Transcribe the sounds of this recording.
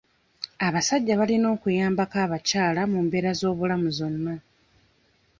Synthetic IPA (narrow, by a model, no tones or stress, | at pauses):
aβasaɟːaβalino̞ːkujaːmbakaːβacaːlamumbe̞ːɾazo̞ːβulamuzonːa